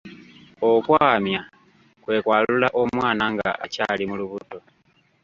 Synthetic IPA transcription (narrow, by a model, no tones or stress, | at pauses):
okwaːmja | kwe̞ːkwaːlulaʔo̞mwaːnaŋɡaa̰ʔaca̰limuluβuto̞